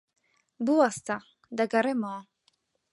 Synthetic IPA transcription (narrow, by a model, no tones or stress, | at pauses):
buast̪a | d̪aɡaɾɛmɔː